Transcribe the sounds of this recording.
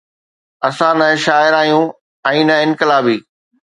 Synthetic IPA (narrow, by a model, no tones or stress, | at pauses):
ɐsãnɐʃaːɪɾaːjũ | ɛ̃ːnɐɪ̃nkɪlaːbiː